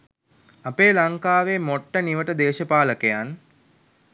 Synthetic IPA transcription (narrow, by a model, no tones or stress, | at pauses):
apeːlaŋkaːʋemoʈːəniʋəʈəd̪eːʃəpaːləkejan